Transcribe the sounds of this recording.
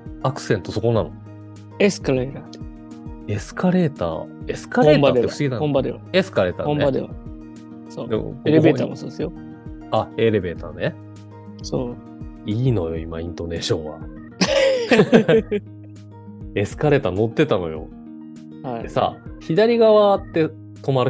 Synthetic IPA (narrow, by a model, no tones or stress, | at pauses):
akɯ̟̥sẽ̞nt̪o̞so̞ko̞nano̰ | esɨ̥kaɾet̪a | e̞sɨ̥kaɾe̞ːt̪a̰ːesɨ̥kaɾẽmbad̪eefɯ̟̥siɡinaõmbad̪eβa̰esɨ̥kaɾe̞ːt̪a̰õmnad̪eβa̰ | soːd̪ḛmo̰koɾebeːt̪a̰mosoːd̪esɨjo | ae̞ɾe̞be̞ːt̪aːne | soː | iːno̞jo̞imaĩnt̪o̞ne̞ːɕõ̞ɰ̃βa̰ | e̞sɨ̥kaɾe̞ːt̪aːno̞t̪ːe̞t̪ano̞̰jo̞̰ | haiesa̰ːçid̪aɾʲiɡaβat̪ːe̞ | t̪o̞maɾɯ̟